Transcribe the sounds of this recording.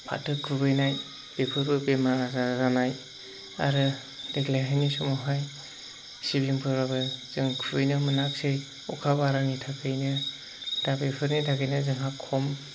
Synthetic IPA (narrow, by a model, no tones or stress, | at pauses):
pʰa̰tɯkʰɯbɯjnaj | b̥epʰɯɾbɯbemazazanaj | a̰ɾɯ | deklajɦajnisɔmɔɦaj | sibimpʰɯɾabɯz̥ɯŋkʰɯbɯjnɯmɯnak̚sej | ukʰabaɾanitʰakʰɯjnɯ | dabepʰɯɾnitʰakʰɯjnɯzɯŋɦakʰːɔm